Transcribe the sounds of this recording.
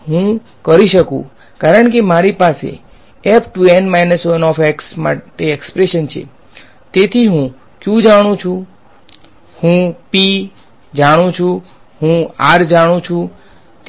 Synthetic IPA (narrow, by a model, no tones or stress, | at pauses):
ɦũ | kəɾiʃəkṵ̃ | kaɾəɳkemaɾipasḛ | ɛpʰʈuɛnmajnəsʋənɔfɛksma̰ʈeekspɾeʃənt͡ʃʰḛ | t̪et̪ʰiɦũ | kjũd͡ʒaɽ̃ũt͡ʃʰũ | hũpi | d͡ʒaɽ̃ũt͡ʃʰũ | hũaɾd͡ʒaɽ̃ũt͡ʃʰũ | t̪